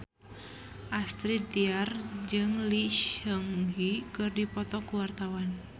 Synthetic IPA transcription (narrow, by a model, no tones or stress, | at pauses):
ʔast̪ɾit̪̚d̪iard͡ʒɨŋliʃəŋhikɨrdipɔt̪ɔkuwart̪awan